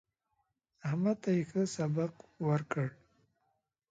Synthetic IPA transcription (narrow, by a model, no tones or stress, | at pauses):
ahmat̪ajixəsabaqwaɾkəɽ